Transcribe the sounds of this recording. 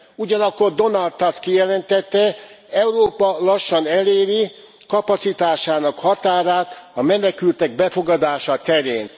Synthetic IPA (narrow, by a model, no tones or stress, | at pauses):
uɟɒnɒkːo̞rd̪o̞nɒld̪ɒst̪kijɛlɛnt̪ɛt̪ːɛ | ɛuroːpɒlɒʃːɒnɛleːɾi | kɒpɒt̪sit̪aːʃaːnɒkhɒt̪aːɾaːt̪ɒmɛnɛkylt̪ɛɡ̚bɛfo̞ɡɒd̪aːʃɒt̪ɛɾeːn